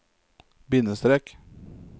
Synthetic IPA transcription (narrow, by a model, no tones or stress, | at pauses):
bɪnəst̪ɾɛk